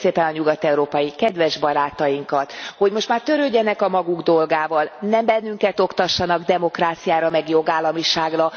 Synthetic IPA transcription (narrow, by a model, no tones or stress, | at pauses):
seːpɛnɒɲuɡɒt̪ɛuɾoːpɒjikɛd̪ʋɛʒbɒɾaːt̪ɒjiŋkɒt̪ho̞ɟmo̞ʃt̪maːrt̪øɾøːɟːɛnɛkɒmɒɡuɡd̪o̞lɡaːvɒlnɛmbɛnːyŋkɛt̪o̞kt̪ɒʃːɒnɒɡd̪ɛmo̞kraːt̪sijaːɾɒmɛɡjo̞ɡaːlːɒmiʃaːɡrɒ